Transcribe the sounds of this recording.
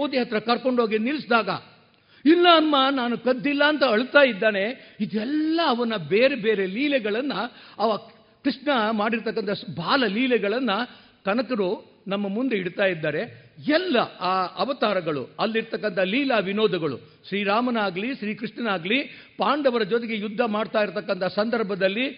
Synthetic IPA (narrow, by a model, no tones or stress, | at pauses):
oːd̪iɦɐt̪ɾɐkɐɾko̞ɳɖɦoːɡinilisd̪aːɡɐ | ilːɐːnmɐnaːnukɐd̪ːilːɐːnt̪ɐɐɭt̪aːjid̪ːaːne̞id̪ɛlːɐːʋɐnːɐbeːɾebeːɾe̞liːlɛɡɐɭɐnːɐɐʋɐ | kɾiʂɳɐmaːɽiɾt̪ɐkːɐnt̪ʰɐbʱaːlɐliːlɛɡɐɭɐnːɐ | kɐnɐkɐɾu | nɐmːɐmund̪eiɽt̪aːjid̪ːaːɾe̞ɛlːɐaːʔɐʋɐt̪aːɾɐɡɐɭṵɐlːiɾt̪ɐkːɐnt̪ʰɐliːlaːʋinoːd̪ɐɡɐɭṵ | ʃɾiːɾaːmɐnaːɡliʃɾiːkɾiʂʈɳɐnaːɡli | paːɳɖɐʋɐɾɐd͡ʒɔt̪̬eɡe̞jud̪ʱːɐmaːɖt̪aːjiɾt̪ɐkːɐnt̪ʰɐsɐnd̪ɐɾbʱɐd̪ɐlːi